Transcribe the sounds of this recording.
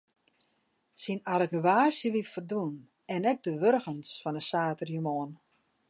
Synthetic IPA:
sinarəɡəʋaːsjəʋitfərdun | ɛnɛɡ̚dəʋørɣənsfɔnəsaːtərjymoən

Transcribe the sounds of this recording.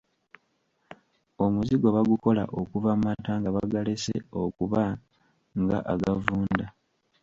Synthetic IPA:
o̞muziɡo̞βaɡuko̞la̰ʔokuvamataːŋɡaβaɡalesḛo̞kuβa | ŋɡa̰ʔaɡavuːnda

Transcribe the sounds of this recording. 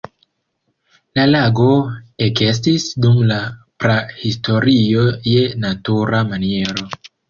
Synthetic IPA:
lalaɡo̞eke̞s̬tisdumlapɾahisto̞ɾio̞je̞natuɾamanie̞ɾo̞

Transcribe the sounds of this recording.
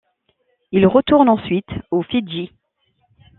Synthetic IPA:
ilʁət̪uʁnɑ̃sɥit̪ofiʒi

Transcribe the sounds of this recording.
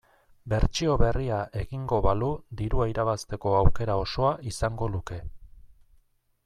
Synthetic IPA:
be̞ɾt͡ʃio̞βe̞riaʔe̞ɣiŋɡo̞βalud̪iɾuaiɾaβast̪e̞ko̞awke̞ɾao̞so̞aʔisaŋɡo̞luke̞

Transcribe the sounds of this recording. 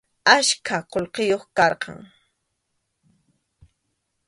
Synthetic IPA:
aʃkʰaqolqejoχkɑɾqɑ̰ŋ

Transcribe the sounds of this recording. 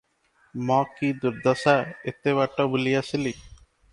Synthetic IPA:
mɔkid̪uɾd̪ɔsaet̪eʋaʈːobulijasili

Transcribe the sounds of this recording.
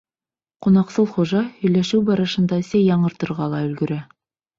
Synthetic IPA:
qunɑqsɤlˠχuʒɑhɵ̆jlæʃɘwbɑɾɤ̆ʃɤ̆nd̪ɑɘ̆sæjɑɴɤ̆ɾt̪ɤ̆ɾʁɑlˠɑɵ̆lɡɵ̆ɾæ

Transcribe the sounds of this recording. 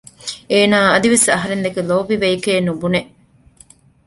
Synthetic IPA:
eːnaːɐd̪iʋesɐɦɐɾend̪ekeloːbiʋeikeːnubune

